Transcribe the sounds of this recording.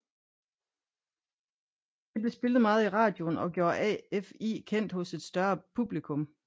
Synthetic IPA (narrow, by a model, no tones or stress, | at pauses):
ʋible̝sb̥e̝lð̞̩ˠmɑ̈ːð̞̩ˠiʁɑ̈ːd̥jo̝nɒ̽ɡ̥jo̝ɐɛ̰efḭkʰen̰d̥hɔ̽se̝d̥sd̥ɶɐpʰub̥likʰɔ̽m